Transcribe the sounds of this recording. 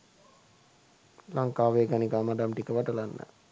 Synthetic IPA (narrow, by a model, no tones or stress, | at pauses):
laŋkaːʋeːɡanikamadamʈikəʋaʈəlanːə̰